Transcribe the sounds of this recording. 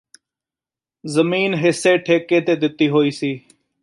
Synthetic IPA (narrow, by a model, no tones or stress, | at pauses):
zəmiːnɦɪseːʈʰeːkeːt̪eːd̪ɪt̪iːɦoːiːsiː